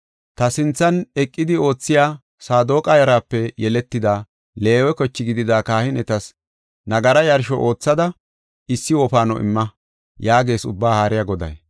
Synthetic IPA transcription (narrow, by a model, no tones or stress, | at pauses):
t̪ɐsɪnt͡sːɐnɛkʼːɪd̪ɪo̞ːt͡sːɪjaː | saːd̪o̞ːkʼɐjɐɾaːpːɛjɛlɛt̪ːɪd̪a | le̞ːwɛkɔt͡ʃːɪɡɪd̪ɪd̪aːkaːhɪnɛt̪ɐs | nɐɡɐɾɐjɐɾʃɔʔo̞ːt͡sːɐd̪ɐ | ɪsːɪwɔpaːnɔ̰ʔɪ̰mːɐ | jaːɡe̞ːsʊ̰bːaːhaːɾɪjɐɡɔd̪ɐ̰j